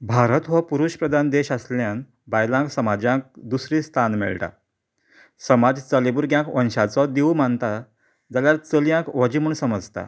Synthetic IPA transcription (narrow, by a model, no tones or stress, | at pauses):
bʱaɾət̪ʋəpuɾuɕpɾəd̪ʱand̪eɕasljan | bajlãksəmad͡ʑãk̚d̪usɾiːst̪ʰanmḛɭʈa̰ | səmad͡zt͡səlebuɾɡjãkʋə̃nɕat͡sɔd̪ewmant̪a | d͡zaljaɾt͡səljãkʋɔd͡ʑimuːɳsəməd͡zt̪a̰